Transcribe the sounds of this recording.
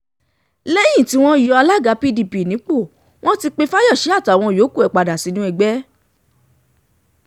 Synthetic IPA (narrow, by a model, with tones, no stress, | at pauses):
le˦jĩ˦˨ti˧˦w̃ɔ̃˦jɔ˧a˧la˦˨ɡa˨˧˦pi˦di˧˨pi˨nĩ˨˦k͡po˦˨ | w̃ɔ̃˦ti˧k͡pe˧fa˦jɔ˦˨ʃɛ˨˦a˦˨ta˨˦˨w̃ɔ̃˧jo˨˦ku˦˨ɛ˨k͡pa˨da˨si˨˦nũ˦ɛ˧ɡ͡bɛ˦